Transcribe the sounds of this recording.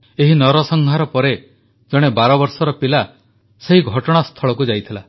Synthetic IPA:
eɦinɔɾɔsɔŋɡʱaɾɔpɔɾe | d͡ʒɔɽ̃ebaɾɔbɔɾsɔɾɔpila | seɦiɡʱɔʈɔɽ̃ast̪ʰɔɭɔkud͡ʒajt̪ʰila

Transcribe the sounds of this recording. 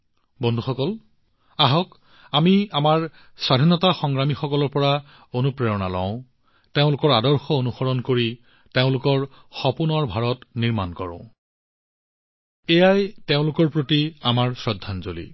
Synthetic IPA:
bɔndʱuxɔkɔl | aɦɔk | amiamaɹ | sadʱinɔtaxɔŋɹamixɔkɔlɔɹpɔɹa | onupɹeɹɔna̰lɔ̰̃ʊ̃ | teʊ̃lʊkɔɹadɔɹxɔonuxɔɹɔnkoɹi | teʊ̃lʊkɔɹ | xɔpunɔɹbʱaɹɔtniɹmankɔɹɔ̰̃ʊ̃ | ejajteʊ̃lʊkɔɹpɹotiamaɹsɹɔdʱːanzolḭ

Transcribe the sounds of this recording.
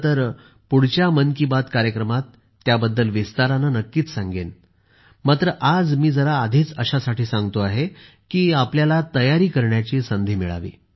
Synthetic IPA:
t̪əɾ | puɽ̤t͡ɕjamənkibat̪kaɾjəkɾəmat̪ː | jabəd̪ːəlʋist̪aɾanənəkːiːt͡ssaŋɡen | mat̪ɾəʔad͡zmiːd͡zəɾaːd̪ʱiːt͡səɕasaʈiːsãŋɡt̪oaɦe | kiːapljalat̪əjaɾiːkəɾɳjat͡ɕiːsənd̪ʱiːmiɭa̰ʋḭː

